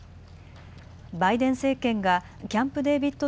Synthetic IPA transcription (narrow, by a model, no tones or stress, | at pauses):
baid̪ẽ̞ɰ̃se̞ːkẽ̞ŋɡa | kʲãmpɯ̟d̪e̞ːbʲit̪ːo